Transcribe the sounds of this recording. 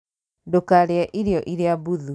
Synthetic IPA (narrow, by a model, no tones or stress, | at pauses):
dokaɾeɛʔiɾejɔʔiɾeabuðu